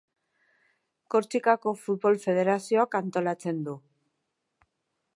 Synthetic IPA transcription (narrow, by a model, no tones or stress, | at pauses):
ko̞ɾt͡ʃikako̞fut̪̚βo̞lfe̞ð̞e̞ɾasio̞akant̪o̞lat͡se̞nd̪u